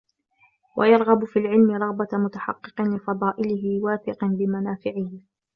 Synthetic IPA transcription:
wa̰jɑɾˤɣɑbʊfiːlʕɪlmɪɾˤɑɣbamʊt̪aħɑ̰qːɨ̥qɨnlɪfɑd̪ˤɑːʔɪlɪɦɪwaːθɪqnbɪmanaːfɪʕɪhɪ

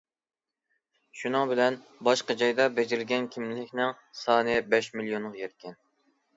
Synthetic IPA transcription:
ʃunɨŋbɪlɛn | bɑʃqɑd͡ʒɑjd̪ɑbɛd͡ʒɪɾɪlɡʲɛnkʲʰimlɪkʲnɪŋ | sɑːnɨbɛʃmilijonʁjɛɾkʲɛn

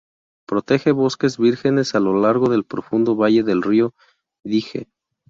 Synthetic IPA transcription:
pɾo̞t̪e̞xe̞βo̞ske̞zβiɾxe̞ne̞salo̞laɾɣo̞ðe̞lpɾo̞fund̪o̞βaʝe̞ðe̞lrio̞ | ðixe̞̰

